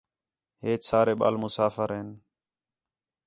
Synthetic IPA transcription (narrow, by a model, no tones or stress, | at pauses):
ɦeːt͡ʃsaːɾeːɓa̰ːlmʊsaːfəɾɦeːn